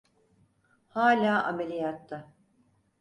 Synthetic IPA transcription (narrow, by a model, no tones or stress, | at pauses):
haːlʲaːʔamelʲijat̪ʰːa